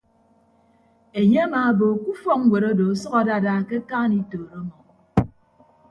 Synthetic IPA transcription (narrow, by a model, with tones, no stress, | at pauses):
e˨ɲe˦a˦ma˨˦bo˨ku˦fɔ˦ŋ˦we˨ɾo˦do˨˦sɔ˦ka˨da˦˨da˦˨ke˦kaː˦ni˦toː˨ɾo˦mɔ˨